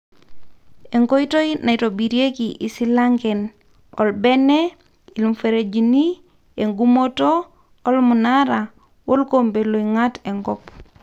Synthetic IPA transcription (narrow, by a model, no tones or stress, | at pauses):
eŋkojitojnajtobiɾiekiʔisilaŋɡen | o̰lbene | ilumfeɾed͡ʒini | eŋɡumotoː | lmunaɾa | wolkombelojŋateŋɡɔp